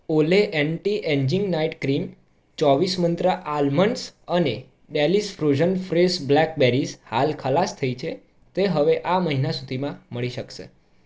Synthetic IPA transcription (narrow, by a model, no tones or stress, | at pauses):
oleʔeɳʈiʔeɲd͡ʒiŋɡnaiʈkɾim | t͡ʃɔʋismənt̪ɾəʔalməɳsəne | ɖɛlisfɾod͡ʒənfɾesblɛk̚beɾisha̰lkʰəlast̪ʰəit͡ʃʰe | t̪eɦəʋeʔaməɦinasud̪ʱimãməɭiʃəkʃḛ